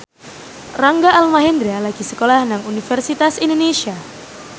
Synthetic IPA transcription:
raŋɡaːlmaɦend̪ɾalaɡisəkolahnaŋunifərsit̪asindonesia

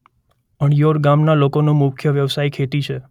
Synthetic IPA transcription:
əɳjoɾɡamnalokonomʊkʰjəʋjəʋsaikʰet̪it͡ʃʰe

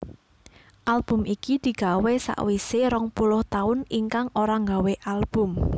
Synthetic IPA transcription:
ʔalb̥ʊ̤mikid̪̥i̤ɡ̥a̤wesa̰ʔwiseɾɔŋpulʊht̪aʊniŋkaŋoɾaŋɡaweʔalb̥ʊ̤m

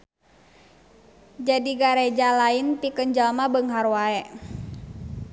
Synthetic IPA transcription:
d͡ʒadiɡaɾɛd͡ʒalainpikənd͡ʒalmabəŋɦarwaɛʔ

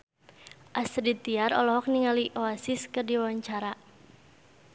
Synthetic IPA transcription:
ʔasrit̪iaɾɔ̰lɔɦɔk̚niŋaliʔoasiskɨrdiwawaɲt͡ʃaɾa

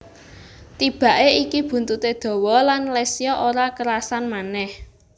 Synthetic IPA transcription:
t̪ib̥a̤ʔeikib̥ṳnt̪ut̪ed̪̥ɔ̤wɔlanlesiɔʔoɾakəɾasanmanɛh

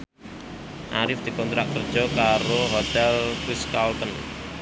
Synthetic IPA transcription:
ʔaɾɪfd̪̥i̤kɔnt̪ɾakər̥d͡ʒ̥ɔkaɾoɦɔt̪ɛlkwɪskalt̪ən

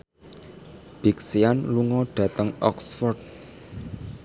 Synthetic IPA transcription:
b̥iksianluŋɔɖ̥ä̤t̪əŋɔ̰ksfɔrd̪̚

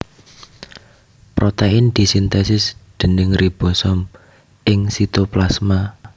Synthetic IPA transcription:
pɾot̪eɪnd̪̥i̤sint̪ɛsɪsd̪̥ə̤nɪŋrib̥ɔ̤sɔm | ʔɪŋsit̪oplasma

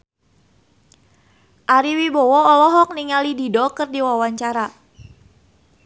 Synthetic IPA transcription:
ʔaɾiwibɔwɔɔlɔɦɔk̚niŋalididɔkɨrdiwawaɲt͡ʃaɾa

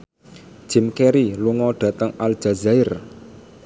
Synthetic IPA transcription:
d̥ʒ̥ɪ̤mkeɾiluŋɔɖ̥ä̤t̪əŋald̥ʒ̥a̤zaɪr

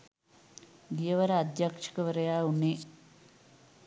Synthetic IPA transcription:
ɡijɐʋɐɾɐːd̪jaːkʂɐ̥kɐʋɐɾɐjaːuɳːi

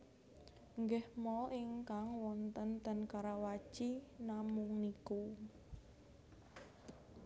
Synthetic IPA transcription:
ŋɡɛhmɔʔiŋkaŋwɔnt̪ənt̪ənkaɾawḁt͡ʃinamʊŋniku

